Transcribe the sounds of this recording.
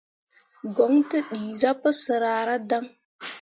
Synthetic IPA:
ɡo˨˦ŋtə˦ɗi˨za˦pə˦sə˨ɾa˨ɾa˦da˦ŋ

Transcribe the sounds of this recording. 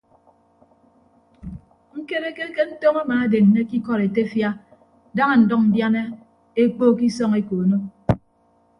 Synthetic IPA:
ŋ̩˦ke˦ɾe˦ke˦ke˦n̩˦to˦ma˦maː˨e˦de˨n̩˨ne˦ki˦kɔ˦ɾe˨te˦fja˦ | da˦ŋa˨n̩˨dɔ˦k̚m̩˨bja˦ne˦ | e˦k͡poː˦ki˦sɔ˦ŋe˦ko˨no˦

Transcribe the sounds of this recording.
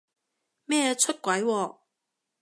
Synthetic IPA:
mɛː˥˩˧t͡ʃʰɵ˥t̚kʷwɐ˨˥jwɔː˧

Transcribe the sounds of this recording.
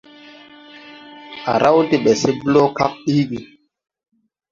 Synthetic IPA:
ʔa̰˨ɾa˦wte˨ɓe˨se˦blo˦ka˦k̚ɗi˦ɡi˨

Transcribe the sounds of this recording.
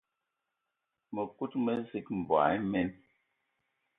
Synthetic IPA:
mə˨ku˦t̚mə˦zi˦k̚m̩˨bwa̰˨˦mɛ˦n

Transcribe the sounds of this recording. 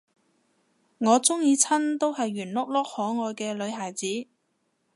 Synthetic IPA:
ŋɔː˨˧t͡sʊ˥ŋjiː˨˧t͡sʰɐ˥nt̪o˥whɐ˨jɥyː˨˩nlʊ˥k̚lɔː˥k̚hɔː˨˥ŋɔː˨˧jkɛː˧lɵ˨˧ɥɦaː˨˩jt͡siː˨˥

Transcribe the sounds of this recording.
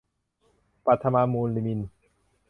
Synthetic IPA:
pa˧t̪ʰːa˧ma˧muː˧nli˧mi˧n

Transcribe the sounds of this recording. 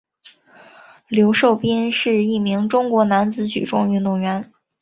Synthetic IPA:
ljo˧˥ʊʂo˥˧ʊpɛ˥nʂɻ̩˥˧i˥˩mi˧˥ŋʈ͡ʂʊ˥ŋkwɔ˧˥na˧˥nt͡sɹ̩˧˥t͡ɕy̰˨˩ʈ͡ʂʊ˥˧ŋy˥˧nt̪ʊ˥˩ŋɥɛ˧˥n

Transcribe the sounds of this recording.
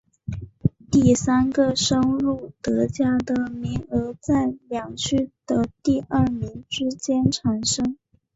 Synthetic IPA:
t̪i˥˩sa˥nɡə˨ʂɤ˥ŋɻu˥˩t̪ɤ˧˥t͡ɕja˥d̪ə˨mi˧˥ŋə˧˥t͡sa˥˩ɪljɑ˨˩ŋt͡ɕʰy˥d̪̥ə˨t̪i˥˧ə˞˥˩mi˧˥ŋʈ͡ʂɻ̩˥t͡ɕjɛ˥nʈ͡ʂʰa˨˧˥nʂɤ˥ŋ

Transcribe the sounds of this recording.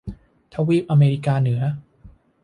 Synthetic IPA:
t̪ʰa˧˥wiː˥˩p̚ʔa˧meː˧ɾiː˦˧˥kaː˧nɯ˩˦ɐ

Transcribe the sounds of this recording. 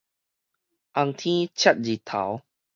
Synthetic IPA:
ʔa˧ŋt̪ʰĩ˦t͡ɕʰa˦˩t̪̚d͡ʑi˨˩t̪ʰa̰˨˦w

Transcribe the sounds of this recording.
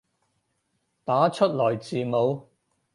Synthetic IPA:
t̪aː˨˥t͡ʃʰɵ˥t̚lɔː˨˩jt͡siː˨mo˨˧w

